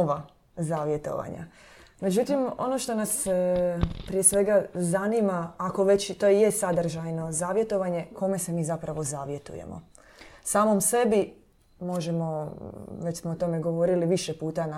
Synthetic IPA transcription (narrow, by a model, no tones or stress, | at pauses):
oʋa | zaːʋje̞t̪o̞̰ʋa̰ɲa̰ | me̞d͡ʑut̪imo̞̰no̞ʃt̪o̞nas | pɾijesʋe̞ɡazanimaːko̞ʋe̞t͡ɕt̪o̞jejesad̪ɾ̩ʒajno̞zaːʋje̞t̪o̞ʋaɲe̞ko̞me̞se̞miːzapɾaʋo̞zaːʋje̞t̪ṵjḛmo̰ | saːmo̞mse̞bi | mo̞ʒe̞mo̞ʋet͡ɕsmoot̪o̞me̞ɡo̞ʋo̞ɾiliʋiʃepuːt̪ana